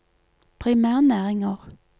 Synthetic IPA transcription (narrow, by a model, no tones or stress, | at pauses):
pʰʁɪmæːʁnæːʁɪŋəʁ